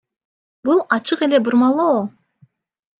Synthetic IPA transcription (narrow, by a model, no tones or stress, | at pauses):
bulˠɑt͡ʃɯqe̞lʲe̞buɾmɑlˠoː